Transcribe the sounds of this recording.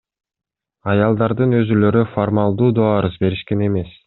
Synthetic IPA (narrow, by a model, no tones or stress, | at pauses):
ɑjɑlˠd̪ɑɾd̪ɯnø̞zylø̞ɾyformalˠd̪uːd̪oɑɾɯzbe̞ɾiʃke̞ne̞me̞s